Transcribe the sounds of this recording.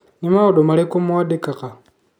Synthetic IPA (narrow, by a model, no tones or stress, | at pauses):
nimaodomalikomuwadikaka